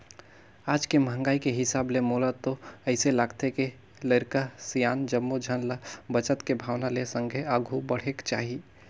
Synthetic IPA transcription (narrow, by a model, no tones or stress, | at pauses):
ad͡ʒkeməɦə̃ŋɡaːikeɦɪsablemolət̪ːoəɪselaɡt̪eke | ləɪɾkasijaːnd͡ʒəmːud͡ʒʱənlabət͡ʃət̪kebʱawnalesəŋɡʱeəɡʱubəɽ̤ekt͡ʃaɦi